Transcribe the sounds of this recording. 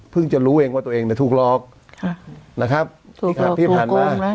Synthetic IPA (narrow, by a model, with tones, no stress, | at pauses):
pʰɯ˥˩ŋt͡ɕa˨ɾuː˦˥ʔeː˧ŋwaː˥˩t̪u˧eː˧ŋni˧˩t̪ʰuː˨˩k̚lɔː˦˥˩k̚ | kʰna˦˥kʰa˦˥p̪̚ʰːpʰiː˥˩aː˨˩nomaː˧˩na˦˥